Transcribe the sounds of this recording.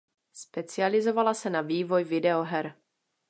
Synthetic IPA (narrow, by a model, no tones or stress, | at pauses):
spɛt͡sɪalɪzo̞valasɛnaviːvo̞jvɪdɛoɦɛɾ